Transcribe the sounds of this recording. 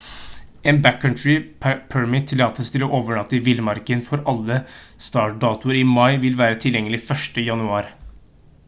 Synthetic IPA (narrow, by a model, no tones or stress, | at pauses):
ʔeːnbækkʰːɑntɹɪpʰɛɹmɪt̪ʰːɪlːɑːt̪əst̪ʰɪlɔʔoːʋəɳɑt̪ːəʋɪlmɑɾkənfɔɾɑlːə | st̪ɑːʈ̚ɖɑːt̪ʊəɾɪmɑɪʋɪlʋæːɾət̪ʰɪljɛŋːəlɪfœʂʈəjɑnʉɑːɾ